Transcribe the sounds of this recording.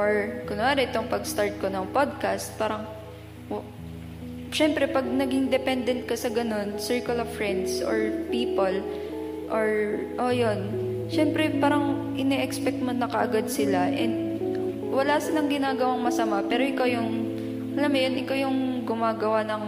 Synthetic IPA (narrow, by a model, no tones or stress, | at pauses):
ʔoɹkʊnɐmaːɾɛʔɪt̪oŋpɐɡst̪aɹt̪̚konɐŋpod̪̚kast̪̚paːɾɐŋ | ʃɛmpɾɛpɐɡ̚nɐɡɪŋd̪ɛpɛnd̪ɛnt̪̚kɐsɐɡɐno̞nsɛɹkɐlov̥fɹɛnd̪sʔo̰ɹpiːpol | ʔoɹ | ʔojonʃɛmpɾɛpaːɾɐŋʔɪnɛʔɛkspɛk̚t̪mɐnɐkɐʔɐɡad̪̚sɪlaʔɛnd̪ | wɐlaːsɪlɐŋɡɪnaːɡɐwaŋmɐsɐmapɛːɾoʔɪkawjʊŋ | ʔɐlamɐjonʔɪkawjʊŋɡʊmaːɡɐwanɐŋ